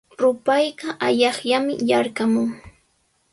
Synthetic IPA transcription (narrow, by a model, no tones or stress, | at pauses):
ɾʊpajɢɑʔaʎɑχjamɪ̰jɑɾkamʊŋ